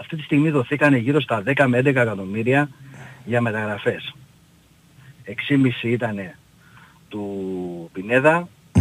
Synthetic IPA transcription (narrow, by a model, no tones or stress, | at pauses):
ɐft̪it̪ist̪iɣmiðo̞θikɐne̞ʝiɾo̞st̪ɐðe̞kɐmeend̪ekɐekɐt̪o̞miɾiɐʝɐme̞t̪ɐɣɾɐfe̞s | e̞ksimːisiit̪ɐne̞ | t̪upine̞ðɐ